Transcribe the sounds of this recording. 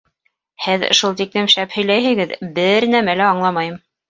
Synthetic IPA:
hɘðŏ̰ʃulˠt̪iklɘmʃæphɵ̆jlæjɦɘ̆ɡɘðbɘɾnæmælæɑɴlˠɑmɑjɤm

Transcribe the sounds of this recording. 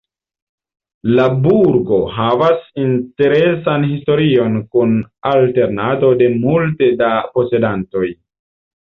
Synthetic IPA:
labuɾɡo̞ɦavasinte̞ɾe̞sanhisto̞ɾio̞nkunalte̞ɾnato̞de̞multe̞dapo̞se̞danto̞j

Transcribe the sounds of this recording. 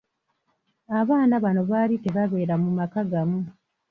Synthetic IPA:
aβaːnaβano̞βaːlite̞βaβe̞ːɾamumakaɡamu

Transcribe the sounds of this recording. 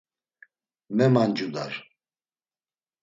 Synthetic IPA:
mɛmand͡ʒud̪aɾ

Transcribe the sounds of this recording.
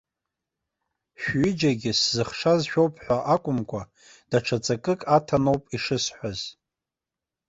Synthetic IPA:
ʃᶣɥɪd͡ʒaɡʲɪszɨχʂazʃᶣo̞wpʰʼħᶣʷaʔakʷʼʊmkʷʰʼa | d̥aʈ͡ʂʰat͡sʼakʼɨkʼatʰanowpʼiʂɨsħʷaz̥

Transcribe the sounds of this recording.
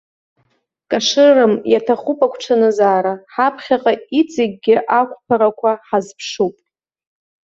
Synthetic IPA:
kʼaʂɨrɨmjatʰaχupʼakʷʰʈ͡ʂʰanɨzaːɾaħapʰχʲaqʼait͡sʼɪɡ̚ʲɡʲɪʔakʷʰʼpʰaɾakʷʰaħazpʰʂupʼ

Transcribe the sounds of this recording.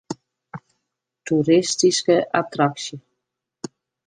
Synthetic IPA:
t̪uɾist̪iskəʔat̪ɾaksjə

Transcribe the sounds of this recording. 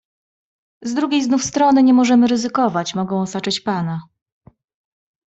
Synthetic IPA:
zd̪ɾuɡʲejznufst̪ɾɔnɘɲɛmɔʐɛmɘɾɘzɘkɔvat͡ɕmɔɡɔ̃w̃ɔsat͡ʂɘt͡ɕpana

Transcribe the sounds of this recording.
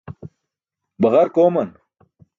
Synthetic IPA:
bɐɣɐɾkoːmɐn

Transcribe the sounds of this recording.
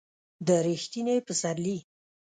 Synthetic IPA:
d̪əɾixt̪inepəsaɾli

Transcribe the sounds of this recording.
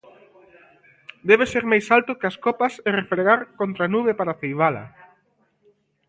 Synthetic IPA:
d̪ɛβ̞eseɾmajsalt̪ʊkeaskopaserefɾeɣaɾkont̪ɾanuβepaɾaθejβ̞alɐ̰

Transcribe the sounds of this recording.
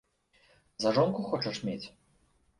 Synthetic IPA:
zɐʐɔnkuxɔt͡ʂɐʂmʲet͡sʲ

